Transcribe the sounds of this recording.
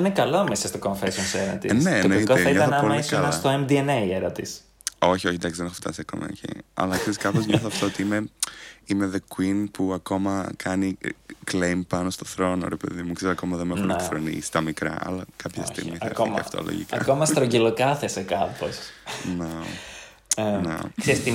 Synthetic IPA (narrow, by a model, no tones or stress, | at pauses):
inekɐlomesɐst̪okoɱfesonseɾɐt̪ḭnenetkoeɐiɲɐθnɐoliskɐlst̪oemd̪ieneieɾɐt̪is | o̞çioçend̪ɐksiðenexoft̪ɐ̰sɐko̰mḛo̰çḭɐ̰lɐkseskɐpozɲoθoft̪oot̪iimeimeðekwinpuɐko̞mɐkʰɐniklejmpɐnost̪o̞θɾo̞no̰ɾepe̞ðimukseisɐko̞mɐðemexuneθɾonḭsst̪ɐmikɾɐ̰ʔɐ̰lɐkɐpçɐ̰st̪ḭɣmmiko̰ɐ̰ft̪o̰lo̰ʝḭkɐ̰komɐst̪ɾoɲɟelokɐθesekɐposne | nḛkseɾist̪i